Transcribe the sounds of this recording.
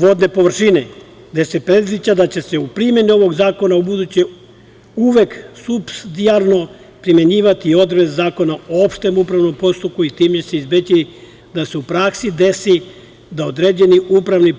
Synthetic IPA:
ʋo̞d̪ne̞po̞ʋr̩ʃine | d̪e̞se̞pɾe̞d̪zit͡ɕad̪at͡ɕe̞se̞upɾimje̞nio̞ʋo̞ɡzaːko̞naubud̪ut͡ɕe | uʋe̞ksupsd̪iaɾno̞ | pɾimje̞ɲiːʋat̪iːo̞d̪ɾezzaːko̞naoopʃt̪e̞mupɾaʋno̞mpo̞st̪up̚kuit̪iːmt͡ɕe̞seizbet͡ɕi | d̪ase̞upɾaksid̪e̞si | d̪aod̪ɾeːd͡ʑe̞niupɾaʋni

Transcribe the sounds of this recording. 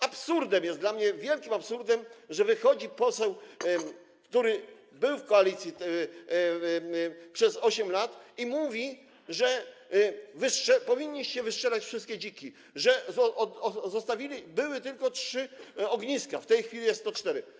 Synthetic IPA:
apsuɾd̪ɛmjɛsd̪lamɲɛvʲjɛlkʲimapsuɾd̪ɛmʐɛvɘxɔd͡ʑipɔsɛw | kt̪uɾɘ | bɘwfkɔalʲit̪sʲji | pʂɛzɔɕɛmlat̪imuvʲi | ʐɛ | vɘʂɛpɔvʲiɲːiɕt͡ɕɛvɘʂt͡ʂɛlat͡ɕfʂɘst̪kʲed͡ʑikʲi | ʐɛɔzɔst̪avʲilʲibɘwɘt̪ɘlkɔtʂɘɔɡɲiskaft̪ɛjxfʲilʲijɛst̪ɔt͡ʂt̪ɛɾɘ

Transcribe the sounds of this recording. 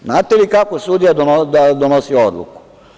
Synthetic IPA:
znaːt̪elikako̞sud̪ijad̪onod̪ad̪onosiood̪lˠṵku̥

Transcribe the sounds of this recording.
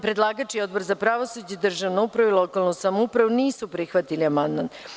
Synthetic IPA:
pɾed̪lˠaːɡat͡ʃio̞d̪̚bo̞ɾzapɾaʋosud͡ʑed̪r̩ʒaʋnoupɾaʋuilˠo̞kalˠnusamoupɾaʋuniːsupɾixʋat̪iliamand̪man

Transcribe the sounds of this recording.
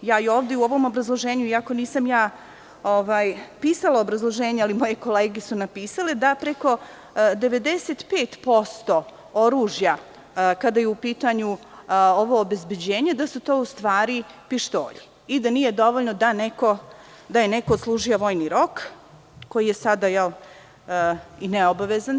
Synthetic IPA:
jaːio̞ːʋd̪euo̞ʋo̞mo̞bɾazlˠoʒeːɲuiako̞niːsamjaː | oʋaːjpiːsalˠaobɾazlˠo̞ʒeːɲealimo̞je̞ko̞leːɡesunapiːsaled̪apɾeko̞ | d̪e̞ʋe̞d̪eset̪peːt̪po̞st̪o̞ | oɾuːʒja | kad̪aːjeupiːt̪aɲuoʋo̞ːbe̞zbe̞d͡ʑeːɲed̪asut̪o̞ːust̪ʋaːɾipiʃt̪o̰ːʎi | id̪anije̞d̪o̞ʋoʎnod̪aneko̞ | d̪ajenekooːt̪slˠuːʒijoʋo̞ːjniɾo̞k | ko̞jije̞sad̪ajɛl | ineobaʋezan

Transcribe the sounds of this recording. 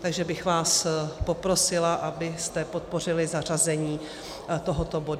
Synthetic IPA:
t̪aɡʒɛbɪxvaːspo̞pɾo̞sɪlaʔabɪst̪ɛpo̞t̪̚po̞r̝ɪlɪzar̝azɛɲiː | t̪o̞ɦo̞t̪o̞bo̞du

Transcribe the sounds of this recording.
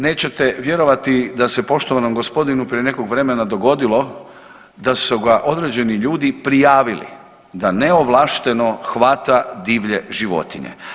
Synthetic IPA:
ne̞ːt͡ɕe̞t̪eʋje̞ɾo̞ʋat̪id̪ase̞po̞ʃt̪oʋanomɡo̞spo̞d̪inupɾiene̞koɡʋɾe̞menad̪o̞ɡo̞d̪ilˠo̞ | d̪asuɡaʔo̞d̪ɾeːd͡ʑe̞niʎuːd̪ipɾijaːʋilḭ | d̪ane̞oʋlˠaːʃt̪e̞noxʋat̪ad̪iːʋʎeʒiʋo̞̰t̪iɲḛ

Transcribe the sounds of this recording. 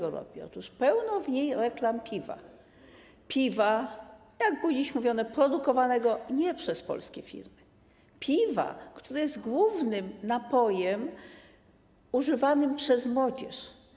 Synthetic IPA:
ɡɔɾɔ̰bʲiɔ̰t̪uʂpɛwnɔvɲejɾɛklampʲiva̰ | pʲiva | jaɡbud͡ʑiɕmuvʲjɔnɛpɾɔd̪ukɔvanɛɡɔɲɛpʂɛspɔ̰lskʲɛfʲḭɾmɘ | pʲʰiva̰kt̪uɾajɛzt̪ɡwuvnɘmnapɔjɛm | uʐɘvanɘmpʂɛzmwɔd͡ʑɛ̰ʂ

